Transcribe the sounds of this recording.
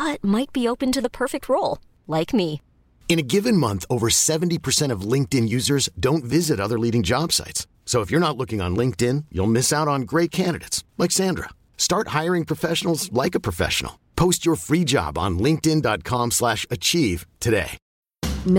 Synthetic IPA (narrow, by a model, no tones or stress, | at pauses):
ʌt̚maɪt̚b̥ioʊpɨ̃ntɨðəpʰɜ˞fɪk̚t̚ɹoʊlˠ | laɪkmi | ɨ̃ñɨɡɪvɨ̃nmʌ̃nθoʊvə˞sɛṽn̩tipʰə˞sɛ̃ɾ̃ʌvlɪ̃ŋk̚tɨ̃njʉzə˞zdõʊ̃ntvɪzɨɾʌðə˞liɾɪ̃ŋd͡ʒɑb̥sa̰ɪts | soʊəfjə˞nətˡlʊkɪ̃ŋə̰̃nlɪ̃ŋk̚tɪ̃njṵlˠmɪsaʊɾn̩ɡɹeɪt̚kʰæ̃ndɨ̰ɾɨɪtslaɪksæ̃ndɹə̰ | stɑɹt̚haɪə˞ɪ̃ŋpʰɹ̥ɨfɛʃn̩l̩ˠzlaɪkɨpʰɹ̥ɨfɛ̰ʃə̰n̩̰l̩ˠpʰoʊst͡ʃə˞fɹid͡ʒɑ̰bn̩lɪ̃ŋk̚tɪ̃ndɑt̚kʰɑ̃mslæʃɨt͡ʃʰiv̥tʰɨɾeɪ